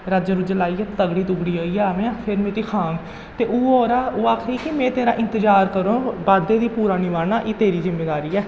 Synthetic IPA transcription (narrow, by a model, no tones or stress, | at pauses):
ɾəd͡ʒəɾud͡ʒəlaːiːɛːt̪əɡɽiːt̪ʊɡɽiːoːiːaːʋẽːãːpʰɪɾmeːt̪iːkʰãːŋɡ | t̪eːʔuːoːɾaːoːaːkʰɾiːkɪmɛ̃ːt̪eːɾaːʔɪ̃nt̪əd͡ʒaːɾkəɾõːbaːd̪eːd̪iːpuːɾaːnɪʋaːnaːʔeːt̪eːɾiːzɪmːeːd̪aːɾiːɛː